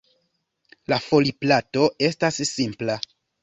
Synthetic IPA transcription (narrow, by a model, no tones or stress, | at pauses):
lafo̞liplato̞e̞stasːimpla